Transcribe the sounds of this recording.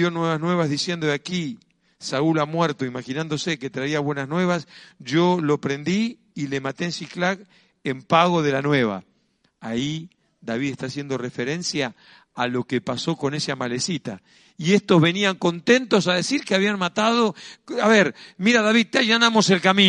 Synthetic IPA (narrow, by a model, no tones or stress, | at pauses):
jo̞nweβaznwe̞β̞azðisje̞nd̪oaki | saulamweɾt̪oimaxinãnd̪o̞seket̪ɾaiaβwe̞naznwe̞βasʒolopɾe̞nd̪iː | lemat̪eensiklaɣ | empaɣo̞ðe̞lanwe̞βa̰ː | i | d̪aβiðest̪asje̞nd̪o̞refe̞ɾe̞nsjaː | lo̞kepaso̞ko̞nesamalesit̪a̰ | iest̪o̞zβe̞niaŋko̞nt̪e̞nt̪o̞s̬aðe̞siɾkeaβianmat̪aðoaβeɾmiɾaðaβið̚t̪eaʒanamo̞se̞lkamĩ